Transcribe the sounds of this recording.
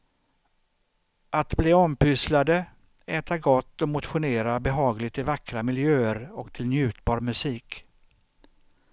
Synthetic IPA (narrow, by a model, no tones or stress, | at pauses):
ʔat̪bliːɔmpʏslad̪ə | ɛːt̪ʰaɡɔt̪ːɔmʊt̪ɧʊneːɾabɛɦɑːɡlɪɡt̪ɪvakɾamɪljøːəɾɔkt̪ʰɪlnjʉ̟ːt̪bɑːɾmɵsiːk